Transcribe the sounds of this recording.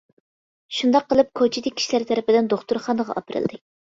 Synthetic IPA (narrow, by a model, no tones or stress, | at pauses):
ʃund̪ɑqːəlˠɨp̚kʰot͡ʃʰid̪ɪkʲʰːi̥ʃlæɾt̪ʰɛɾɪpɪd̪ɪnd̪oχt̪uɾχɑnəʁɑ̰ʔɑpʰɨɾɨ̰lˠd̪ɨ